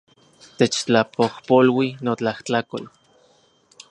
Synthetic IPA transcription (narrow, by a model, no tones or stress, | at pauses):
t̪et͡ʃt͡ɬapohpolwinot͡ɬaht͡ɬakol